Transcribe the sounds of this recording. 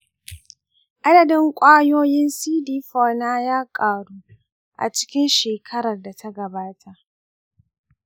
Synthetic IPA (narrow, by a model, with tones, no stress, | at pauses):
ʔa˦dɐ˨dɪ˦ŋkʷʼaː˦joː˦jɪ˦nsiː˦diː˦ɸoː˦naː˦jaː˦kʼaː˨ɽuː˦ | ʔa̰˨t͡ʃɪ̥˦kʲɪ˦nʃeː˨kʰɐ˦ɾɐ˨rda˨tʰa˦ɡɐ˨baː˦tʰa˨ʔ